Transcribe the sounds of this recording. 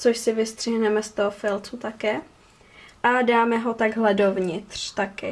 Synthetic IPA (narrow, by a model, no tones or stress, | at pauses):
t͡soʃsɪvɪst̪r̝̥iɦnɛmɛst̪oɦofɪlt͡sut̪akɛː | ʔadaːmɛɦo̞t̪aɡɦlɛdovɲɪt̪r̥t̪akɪ